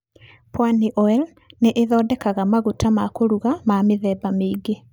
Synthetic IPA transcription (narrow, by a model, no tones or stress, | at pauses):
pwaniʔɔɛl | neʔeðɔːdɛkaɣamaɣutʰamakoɾuɣamameðɛːbameːɡe